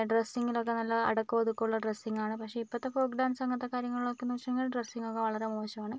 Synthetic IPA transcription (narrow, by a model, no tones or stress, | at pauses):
ɖresːiŋːilo̞kːe̞nɐlːɐɐ̰ɽɐkːuɐðukːuɭːɐɖresːiŋːɡaːɳɨpɐkʂe̞ipːoɐt̪ːefoːkɖaːnsɐŋɡɐt̪ːɐkːaːɾjɐŋːɐɭiɭokːeniʋɐʂɐŋɡilɖresːiŋɡokːe̞ʋɐɭɐɾe̞moːɕɐmaːɳɨ